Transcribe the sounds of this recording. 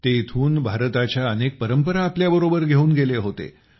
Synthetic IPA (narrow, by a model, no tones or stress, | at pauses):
t̪eit̪ʰuːnbʱaɾt̪at͡ɕjaənek̚pəɾəmpəɾaːpljabəɾobəɾɡʱeuːnɡeleɦot̪ḛ